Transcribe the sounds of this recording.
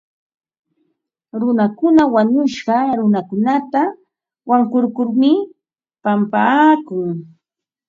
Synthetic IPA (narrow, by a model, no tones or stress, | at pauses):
ɾʊnakʊnawaɲʊʃɢɑɾʊnakʊnat̪a | waŋkʊɾkʊɾmɪ | pampaːkʊŋ